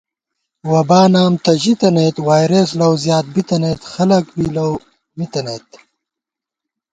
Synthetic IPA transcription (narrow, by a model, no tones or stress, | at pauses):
wɐbaːnaːmt̪ɐʑit̪ɐnet̪waːjɾeslɐwzjaːt̪̚bit̪ɐnet̪xɐlɐkbilɐw | mit̪ɐneːt̪